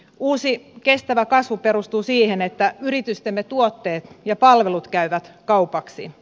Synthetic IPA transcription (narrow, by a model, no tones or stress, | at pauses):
uːsike̞st̪æʋækɑsʋupe̞ɾust̪uːsiːhenet̪ːæyrit̪yst̪emːet̪uot̪ːe̞ːt̪jɑpɑlʋe̞lut̪kæyʋæt̪kɑwpɑksḭ